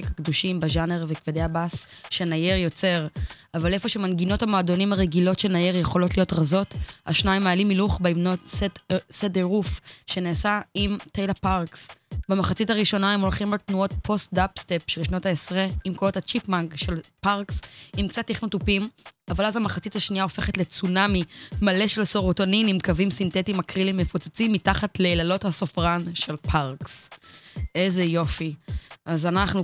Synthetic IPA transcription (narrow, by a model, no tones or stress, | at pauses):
ekakd̪uʃimbeʒane̞ʁvekved̪eabasʃe̞naje̞ʁjo̞t͡se̞ʁ | avale̞fo̞ʃemanɡino̞thamoado̞nimaʁeɡilo̞tʃenaje̞ʁjeχo̞lo̞tlijo̞tʁazo̞ta̰ʃnaimajalimiluχbeimnotsesedeʁufʃe̞neːsaimtejlapaʁksbemaχat͡sitaʁiʃo̞naemo̞lχimaltnuo̞tpʰo̞st̚dapstepʃelʃnotaesʁeimkoothat͡ʃipmaŋɡʃe̞lpaʁksimkt͡sat̪ːiχnotupimavalazamaχat͡sithaʃniaofe̞χetlet͡sunamimale̞ʃe̞lsoʁotoninimkavimsinte̞timakʁilimːefut͡sat͡simːitaχatleːlalo̞thaso̞fʁanʃe̞lpʰaʁks | ʔezejo̞fiazanaχnu